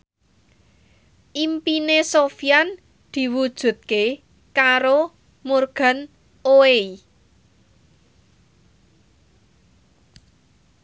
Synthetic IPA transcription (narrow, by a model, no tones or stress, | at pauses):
ʔimpinesofijan | d̪̥i̤wud̥ʒ̥ṳt̪̚ke | kaɾo | murɡ̥a̤n | oei